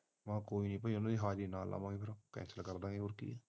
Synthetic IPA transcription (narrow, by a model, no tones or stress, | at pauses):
mãːkoːiːnĩːp̬əiʊnãːd̪iːɦaːd͡ʒd̪iːnaːla̰ːʋãːŋɡipʰɪɾkɛ̰ːnsəlkəɾd̪ãːŋɡiːɦoːɾkḭːɛː